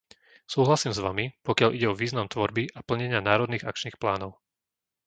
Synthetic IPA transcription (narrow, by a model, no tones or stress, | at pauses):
suːɦlasiːmzʋamipɔkɪalʔiɟɛɔʋiːznamt̪ʋɔɾbiʔapl̩ɲɛɲɪanaːɾɔd̪niːɣa̰kt͡ʃniːxplaːnɔʊ